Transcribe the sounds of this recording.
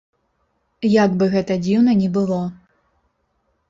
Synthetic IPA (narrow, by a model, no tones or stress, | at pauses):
jaɡbɨɣɛt̪ɐd͡zʲiwnɐnʲɛbɨlˠɔ